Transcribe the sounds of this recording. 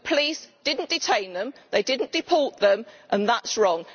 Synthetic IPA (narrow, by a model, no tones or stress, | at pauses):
pʰəliˑsd̥ɪdⁿn̩d̥ɪtʰẽɪ̃nðə̃mðeɪdɪdⁿn̩d̥ɪpʰɔˑʔðə̃mʔə̃nðatsɹɒ̃ŋ